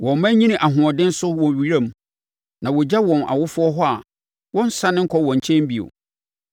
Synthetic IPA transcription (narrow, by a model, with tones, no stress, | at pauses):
wɔ̃˨m˨mæ̃˦ɲĩ˦nĩ˦ʔa˨ɦʊ̃˨ɔ˨dɪ̃˦n̩˦sʊ˦wɔ̃˨ɥi˨ɾã˦˨m˦˨ | nã˨wɔ˨d͡ʑa˦wɔ̃˨na̰˨wʊ˦fʊ˦ɔ˦ɦɔ˦a˨ | wɔ̃˦n̩˦sa˦nɪ̃˦ŋ̩˦kʰɔ˦wɔ̃˨ɲ˨t͡ɕʰɛ̃˦m˦bi˨o̰˨